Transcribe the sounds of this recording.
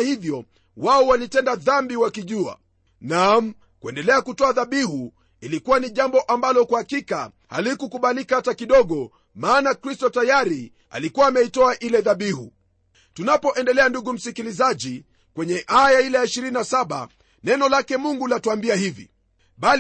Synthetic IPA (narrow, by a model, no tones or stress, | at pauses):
hivjɔ | waɔwalitɛndaðambiwakiʄua̰ | nam̩ | kuɛndɛlɛakutɔaðaɓihu | ilikuwaniʄambɔʔambalɔkwuhakika̰ | ha̰likukuɓalikaatakiɗɔɠɔ | maːnakɾistɔtajaɾi | a̰likuwaːmɛitɔaʔilɛðaɓihṵ | tunapɔʔɛndɛlɛanduɡum̩sikilizaʄi | kwɛɲɛʔajailɛjaiʃiɾininasaɓa̰ | nɛnɔlakɛmuŋɡulatuambiahivḭ | ɓal